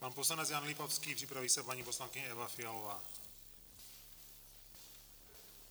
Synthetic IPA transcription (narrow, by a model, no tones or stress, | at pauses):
paːnpɔslaɲɛd͡zjaːnlipɔʊskiːpripɾaʋisapaɲipɔslaŋkiɲɛɛʋafialɔʋaː